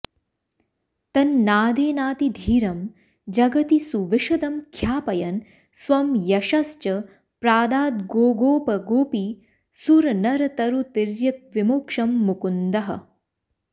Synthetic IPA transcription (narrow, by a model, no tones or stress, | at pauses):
t̪ɐnːaːd̪eːnaːt̪id̪ʱiːɾɐm | d͡ʒɐɡɐt̪isuʋiʃɐd̪ɐmkʰjaːpɐjɐn | sʋɐmjɐʃɐst͡ʃɐ | pɾaːd̪aːt̪̚ɡoːɡoːpɐɡoːpi | suɾɐnɐɾɐt̪ɐɾut̪iɾjɐk̚ʋimoːkʂɐmːukund̪ɐɦɐ̰